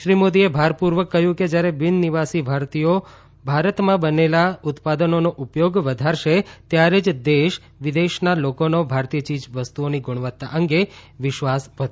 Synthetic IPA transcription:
ʃɾimod̪iebʱaɾpuɾʋəkːəɦjũked͡ʒjaɾebɪnːiʋasibʱaɾt̪ijo | bʱaɾət̪mãbənelaʊt̪pad̪ənonoʔupjoɡʋəd̪ʱaɾʃet̪jaɾed͡ʒd̪eʃ | ʋid̪eʃnalokonobʱaɾt̪ijət͡ʃid͡ʒʋəst̪uoniɡʊɽ̃ʋət̪ːa̰ʔəŋɡeʋɪʃʋasʋət̪

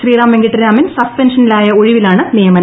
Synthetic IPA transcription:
ɕriːraːmʋeŋɡɐʈːiɾaːmɐnsɐspenʂɐnilaːjɐo̞ɻiʋilaːɳɨnijɐmɐn

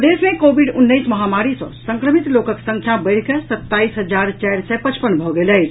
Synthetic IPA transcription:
d̪esmekobʱiɖunːəsməɦamaɾisɔ̰̃səŋkɾəmit̪lokəksə̃ŋkʰjabəjɽkesət̪ːaisɦəd͡ʒaɾt͡ʃajɾsɛpət͡ʃpənbʱɔɡeləjt͡ʃʰ

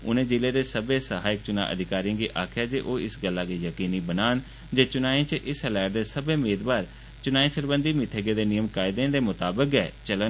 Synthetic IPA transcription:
ʊ̰nẽːd͡ʒɪleːd̪eːsəbeːsəɦaːɪk̚t͡ʃʊna̰ːʔə̰d̪ʱɪkaːɾijãːɡiːʔaːkʰjaːd͡ʒeːʔoːɪsɡəlːaːɡeːjəkiːniːbənaːn | d͡ʒeːt͡ʃʊnaːĩːt͡ʃəʔɪsəlɛːɾd̪eːsəbeːmeːd̪baːɾ | t͡ʃʊnaːĩːsəɾbənd̪iːmɪt̪ʰeːɡeːd̪eːnɪjəmkaːɪd̪ẽːd̪eːmʊt̪aːbəkɛːt͡ʃələ

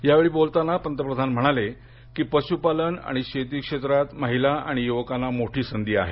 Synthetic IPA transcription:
jaʋeɭiːbolt̪anːapənt̪əpɾəd̪ʱanm̤əɽ̃ale | kiːpəɕupaləna̰ɽ̃iɕet̪̬iːkʂet̪ɾat̪məɦilaa̰ɽ̃ijuʋəkanːamoʈʰiːsənd̪iːa̰ɦḛ

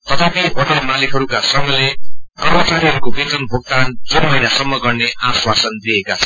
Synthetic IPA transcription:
t̪ʌt̪ʰapiɦʌtmalikɦʌɾukasʌmːʌleamʌt͡saɾiɦʌɾukobet̪ʌnbʱoɡ̚t̪and͡zunmʌjnasʌmːʌɡʌrneʔaswasʌnd̪iekat͡sʰʌ

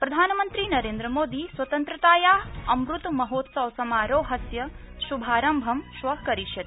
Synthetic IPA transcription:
pɾɐd̪ʱaːnɐmɐnt̪ɾinɐɾeːnd̪ɾɐmoːd̪iːsʋɐt̪ɐnt̪ɾɐt̪aːjaːɐmɾut̪mɐɦoːt̪sɐʋsɐmaːɾoːɦɐsjɐ | ʃubʱaːɾɐmbʱɐmʃʋɐkɐɾiʃjɐt̪

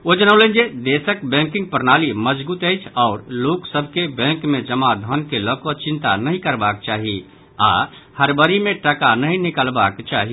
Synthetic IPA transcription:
od͡ʒənəʊlənd͡ʒed̪esəkbɛ̃ŋkɪ̃ŋɡ̚pəɾnaliməd͡ʒbut̪əɪt͡ʃʰɔːɾloksəbʱkebɛ̃ŋkmẽd͡ʒəmad̪ʱənkeləkot͡ʃĩnt̪a̰nəɦĩkəɾbak̚t͡ʃaːɦi | a̰ | həɾbəɾimẽʈəkanəɦĩnikəlbakt͡ʃaɦi

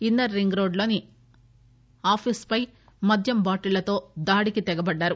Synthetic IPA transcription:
ind̪ɐɾːiŋɡɾo̞ːɖlo̞ːni | aːpʰiːspɐj | mɐd̪ʱjɐmbaːʈilɐt̪o̞ːd̪aːɽikit̪ɛɡɐbɐɖːaːɾu

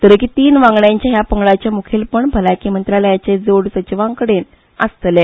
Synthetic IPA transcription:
t̪əɾəkit̪iːnʋãŋɡɳjãɲt͡ɕaɦjapəŋɡɭat͡ɕamukʰiːlpəɳbʱəlakiːmənt̪ɾaləjat͡ɕed͡zoɽsət͡ɕiʋãŋkəɽen | əst̪le

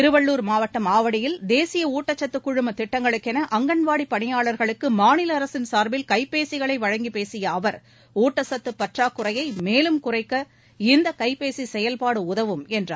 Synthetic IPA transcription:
ɪɾɯʋɐɭːuːɾmaːʋɐʈːɐmaːʋɐɽɪjɪld̪eːsɪjɐuːʈːɐt͡ʃːɐt̪ːɯkːʊɻɯmɐt̪ɪʈːɐŋɡɐɭɯkːɛnɐʔɐŋɡɐɳʋaːɽipːɐɳɪjaːɭɐɾɣɐɭɯkːɯmaːnɪlɐɐɾɐsɪnsaːɾbɪlkɐɪpːeːsɪɣɐɭɐɪʋɐɻɐŋɡipeːsɪjɐːʋɐɾ | uːʈːɐsɐt̪ːɯpːɐʈraːkːʊrɐjɐɪmeːlɯmkʊrɐɪkːɐ | ɪnd̪ɐkɐɪpːeːsisɛjɐlpaːɽɯʊðɐʋɯmɛndraː

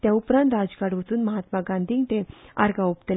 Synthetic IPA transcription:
t̪jaupɾãnt̪ɾad͡zkaɽʋət͡s̪uːnməɦat̪maɡãnd̪ʱiːŋɡt̪ẽa̰ɾɡaupt̪el

